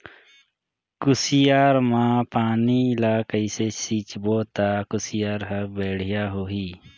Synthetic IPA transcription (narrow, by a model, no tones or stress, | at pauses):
kʊsɪjaːɾmãpaːniɪlaːkəisesiːt͡ʃboːt̪akʊsɪjaːɾɦəbɛːɽ̤ɪjaɦoːɦiː